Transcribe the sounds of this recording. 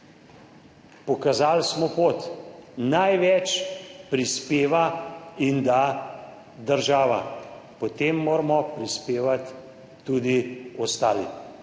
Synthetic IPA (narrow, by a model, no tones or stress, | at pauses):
pɔkazaːlsmɔpot̪najʋɛt͡ʃpɾispeːʋaind̪a | d̪əɾʒaːʋa̰ | pɔt̪eːmːoːɾmɔpɾispeːʋat̪ː | uːd̪iɔst̪aːlḭ